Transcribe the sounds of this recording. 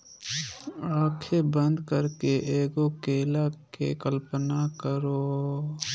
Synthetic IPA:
aːkʰebə̃nd̪kəɾkeʔeːɡokeːlakḛkəlpənakəɾoː

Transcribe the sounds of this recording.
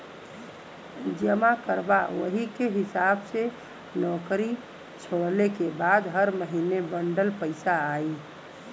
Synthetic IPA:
d͡ʒəmakəɾbawəɦikeɦisabse | nɔkɾi | t͡ʃʰoɽlekebad̪ɦəɾməɦinebəɳɖəlpəɪsaːi

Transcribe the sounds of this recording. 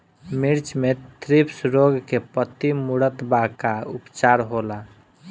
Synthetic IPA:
miɾt͡ʃmet̪ʰɾipsɾoɡkepət̪imuɽət̪bakaupt͡ʃaɾɦola

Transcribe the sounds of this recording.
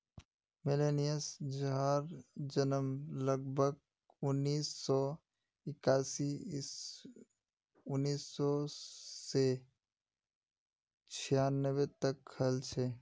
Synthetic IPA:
mɪlenijəsd͡ʒaɾd͡ʒənəmləɡ̚bʱəɡ̚ | ʊnːiːsːɔ | ɪkaːsi | ʊnːiːsːɔse | t͡ʃʰijanːəwet̪əkʰəlt͡ʃʰe

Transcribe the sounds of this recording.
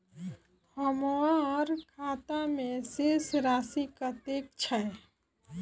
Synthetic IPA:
həmoãɔːɾkʰat̪amẽsesɾasikət̪ek̚t͡ʃʰəe

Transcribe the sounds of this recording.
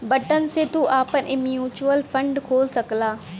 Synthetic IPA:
bɐʈənɪ̆set̪uʔaːpənʔɪmjuːt͡ɕuəlfɐ̃ɳɖkʰoːlsɐkɪlaː

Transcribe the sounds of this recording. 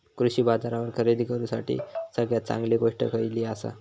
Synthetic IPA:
kɾuɕiːbad͡zaɾaʋəɾkʰəɾed̪ikəɾũsaʈḭːsəɡjat͡sã̰ŋɡliɡoʂʈəkʰəjliːasa̰

